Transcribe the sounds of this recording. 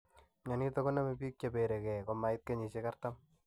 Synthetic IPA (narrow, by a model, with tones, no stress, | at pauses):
ɲa˨ni˦t̪ɔ˦kɔ˦na˦me˨pi˦k̚t͡ʃa˨pe˨ɾe˨kɛ˨koma˨ɪ˦t̪̚ke˦ɲi˨t͡ʃeka˦ɾt̪am